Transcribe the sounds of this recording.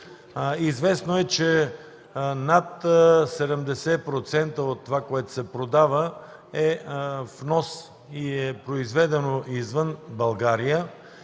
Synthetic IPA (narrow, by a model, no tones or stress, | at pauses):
izvɛsnoɛt͡ʃɛ | nat̪sɛd̪ɛmd̪ɛsɛpɾot̪sɛnt̪əot̪ːovakoɛt̪o̥sɛpɾod̪avə | ɛfnɔs | iɛpɾoizvɛd̪ɛnoʔizvənbɐlˠɡaɾijə